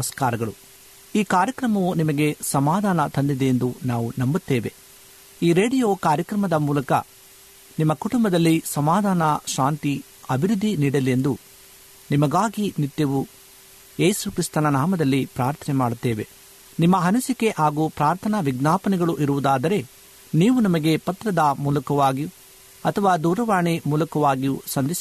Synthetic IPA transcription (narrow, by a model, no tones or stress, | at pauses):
ɐskaːɾɐɡɐɭu | iːkaːɾjɐkɾɐmɐʋunimɐɡe̞sɐmaːd̪ʱaːnɐt̪ɐnd̪id̪eend̪unaːʋunɐmbut̪ːeːʋe̞ | iːɾeːɖijoːkaːɾjɐkɾɐmɐd̪ɐmuːlɐkɐ̰ | nimːɐkuʈumbɐd̪ɐlːisɐmaːd̪ʱaːnɐʃaːnt̪i | ɐbʱiɾud̪ʱːiniːɽɐlie̞nd̪u | nimɐɡaːɡinit̪ːjɐʋu | je̞ːsukɾist̪ɐnɐnaːmɐd̪ɐlːipɾaːɾt̪ʰɐnɛmaːɽut̪ːeːʋe̞ | nimːɐɦɐnɐsike̞ʔaːɡuːpɾaːɾt̪ʰɐnɐʋiɡnaːpɐnɛɡɐɭuʔiɾuʋud̪aːd̪ɐɾe̞ | niːʋunɐmɐɡe̞pɐt̪ɾɐd̪ɐmuːlɐkɐʋaːɡiu | ɐt̪ʰɐʋaːd̪uːɾɐʋaːɳimuːlɐkɐʋaːɡijusɐnd̪is